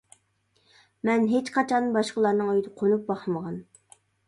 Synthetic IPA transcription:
mɛnɦet͡ʃqʰɑt͡ʃʰɑnbɑʃqəlˠɑɾnɨŋøjd̪ɨqʰonup̚bɑχməʁɑn

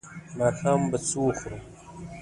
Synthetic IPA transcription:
maːxaːmbɐt͡suxɾu

